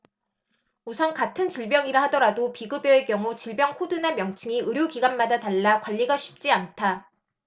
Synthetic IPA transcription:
usʰʌnkatʰɯnt͡ɕiɭbjʌŋiɾaɦadʌɾadopiɡɯbjoe̞kjʌŋut͡ɕiɭbjʌŋkʰodunamjʌŋt͡ɕʰɯŋiɯɾjoɡiɡanmadataɭːakwaʎːiɡaɕʰi̥p̚t͡ɕ͈iantʰa

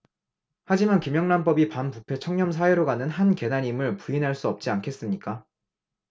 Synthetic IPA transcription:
had͡ʑimankimjʌŋnamp͈ʌbipanpupʰe̞t͡ɕʰʌŋɲʌms̬ʰaweɾoɡanɯnɦanke̞naɲimɯɭpuinɦaɭs͈uʌp̚t͡ɕ͈iankʰe̞s͈ɯmɲik͈a

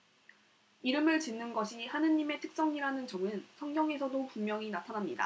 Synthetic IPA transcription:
iɾɯmɯɭt͡ɕinːɯnɡʌɕʰihanɯɲːime̞tʰɯ̥k̚s͈ʌŋiɾanɯnt͡ɕʌŋɯnsʰʌŋɡjʌŋe̞sʰʌdopummjʌŋinatʰanamɲida̰

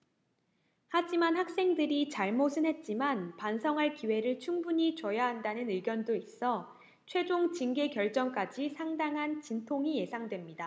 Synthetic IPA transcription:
had͡ʑimanhak̚s͈e̞ŋdɯɾit͡ɕaɭmosʰɯnɦe̞t̚t͡ɕ͈imanpansʰʌŋɦaɭkiwe̞ɾɯɭt͡ɕʰuŋbuɲit͡ɕʌjaɦandanɯnɯɡjʌndois͈ʌ | t͡ɕʰwe̞d͡ʑoŋt͡ɕinɡe̞kjʌɭt͡ɕ͈ʌŋk͈ad͡ʑisʰaŋdaŋɦant͡ɕintʰoŋije̞sʰaŋdwe̞mɲida

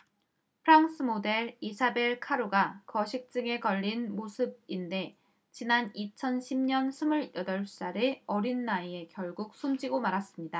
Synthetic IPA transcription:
pʰɯɾaŋs͈ʰɯmode̞ɭisʰabe̞ɭkʰaɾoɡakʌɕʰik̚t͡ɕ͈ɯŋe̞kʌʎːinmosʰɯb̚inde̞ | t͡ɕinanit͡ɕʰʌnɕʰimɲʌnsʰɯmɯɾjʌdʌɭs͈aɾeʌɾinːaie̞kjʌɭɡuk̚s͈ʰumd͡ʑiɡomaɾas͈ɯmɲida

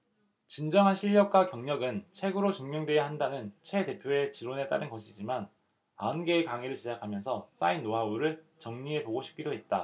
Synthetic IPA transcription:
t͡ɕind͡ʑʌŋɦanɕʰiʎːʌk͈wakjʌŋɲʌɡɯnt͡ɕʰwe̞ɡɯɾot͡ɕuŋmjʌŋdwe̞jahandanɯnt͡ɕʰwe̞te̞pʰjoe̞t͡ɕiɾone̞t͈a̰ɾɯnɡʌɕʰid͡ʑiman | aɯnɡe̞ːkaŋiɾɯɭɕʰid͡ʑakʰamjʌnsʰʌs͈a̰inːoɦauɾɯɭ | t͡ɕʌŋɲie̞poɡoɕʰip̚k͈idoɦe̞t̚t͈a

